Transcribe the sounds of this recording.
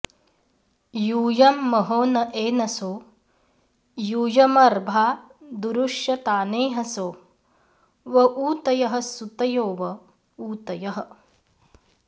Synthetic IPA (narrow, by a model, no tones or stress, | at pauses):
juːjɐmːɐɦoːnɐʔeːnɐsoː | juːjɐmɐɾbʱaːd̪uɾuʂjɐt̪aːneːɦɐsoː | ʋɐʔuːt̪ɐjɐɦɐ̆sut̪ɐjoːʋɐ | uːt̪ɐjɐɦɐ̆